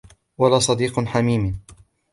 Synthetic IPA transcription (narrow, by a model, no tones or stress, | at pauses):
walaːsˤɑd̪iːqnħamiːm